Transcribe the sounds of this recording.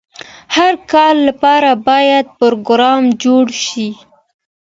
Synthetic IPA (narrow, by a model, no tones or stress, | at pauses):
haɾkɑlːapɑɾabɑjad̪̚poɾoɡɾɑmd͡ʒoɽʃi